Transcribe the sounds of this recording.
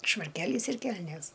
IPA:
ʃʋɐrʲˈkʲæːlʲiːs ɪr ˈkʲɛlʲnʲeːs

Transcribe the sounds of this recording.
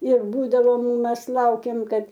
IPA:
ɪr ˈbuːdɐʋoːm ˈmʲɛs ˈlˠɐʊkʲeːm ˈkɐt

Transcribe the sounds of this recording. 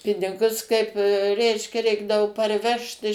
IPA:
ˈpʲɪnʲɪɡʊs kɐɪp ˈrʲɛɪʃʲkʲɛ ˈrʲɛɪɡdɐʋoː pɐrʲˈʋʲɛʃt ɪʃ

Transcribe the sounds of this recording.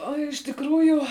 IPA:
oː ɪʃ tʲɪkˈruːjʊ

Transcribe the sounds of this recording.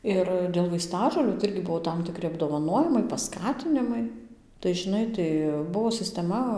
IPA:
ˈɪr dʲeːlˠ ʋɐɪˈstɑːʒoːlʲuː tɐɪ ˈɪrʲɡʲɪ ˈbʊʋoː ˌtɐm tʲɪˈkrʲɪ ɐbdoːʋɐˈnoːjɪmɐɪ pɐˈskɑːtʲɪnʲɪmɐɪ tɐɪ ʒʲɪˈnɐɪ tɐɪ ˈbʊʋoː sʲɪsʲtʲɛˈmɐ

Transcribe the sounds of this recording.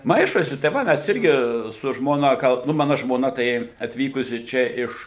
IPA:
ˈmɐɪʃoːsʲɪ tɐɪ ˈʋɐ ˈmʲɛs ˈɪrʲɡʲɪ sʊ ˈʒmoːnɐ ˈɡɐlˠ nʊ ˈmɑːnɐ ʒmoːˈnɐ tɐɪ ɐtʲˈʋʲiːkʊsʲɪ ˈt͡ʃʲɛ ɪʃ

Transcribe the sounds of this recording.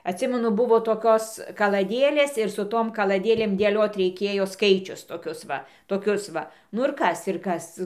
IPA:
ɐtʲˈsʲɪmʲɛnʊ ˈbʊʋoː toːˈkʲoːs kɐlˠɐˈdʲeːlʲeːs ɪr sʊ ˈtoːm kɐlˠɐˈdʲeːlʲeːm dʲeːˈlʲoːt rʲɛɪˈkʲeːjoː ˈskɐɪt͡ʃʲʊs toːˈkʲʊs ʋɐ toːˈkʲʊs ˈʋɐ nʊ ɪr ˈkɐs ɪr ˈkɐs

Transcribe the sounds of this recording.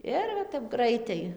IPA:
ˈɪr ʋɐ tʲɛp ˈɡrɐɪtɐɪ

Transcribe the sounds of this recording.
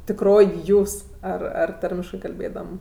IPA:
tʲɪkˈroːj ˈjuːs ˈɐr ɐr ˈtɐrʲmʲɪʃkɜ kɐlʲˈbʲeːdɐm

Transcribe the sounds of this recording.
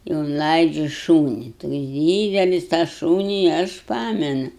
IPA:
ɪ ʊnˈlˠɐɪd͡ʒʲʊ ˈʃuːnʲɪ toːks ˈdʲiːdʲɛlʲɪs tɑː ˈʃuːnʲɪ ɐʃ ˈpɑːmʲɛnʊ

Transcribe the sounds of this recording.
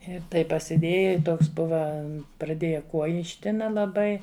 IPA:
ɪ ˈtɐɪp pɐsʲɪˈdʲeːjɛ ɪ ˈtoːks ˈbʊʋɐ prɐˈdʲeːjɛ ˈkuɔjɪ ɪʃʲˈtʲɪnɐ lˠɐˈbɐɪ

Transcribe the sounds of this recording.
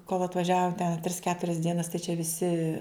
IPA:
koːlˠ ɐtʋɐˈʒʲæːʋoː tʲɛn ɐ tʲrʲɪs ˈkʲæːtʊrʲɛs ˈdʲiɛnɐs tɐɪ t͡ʃʲɛ ʋʲɪˈsʲɪ

